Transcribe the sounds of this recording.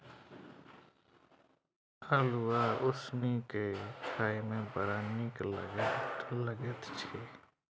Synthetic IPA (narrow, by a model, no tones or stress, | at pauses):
əluwaʊsnikekʰaːimẽbəɾaniklə̰ɡ̪ləɡət̪t͡ʃʰeː